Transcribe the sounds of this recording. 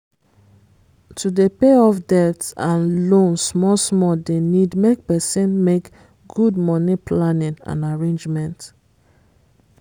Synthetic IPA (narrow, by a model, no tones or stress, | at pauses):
tʰudepeɔfdɛtãnlõnsmɔsmɔdenidmek̚pɛsĩnmek | ɡ̥ud̚mɔnipʰlanĩnã̰naɹẽnd͡ʒmɛ̃nt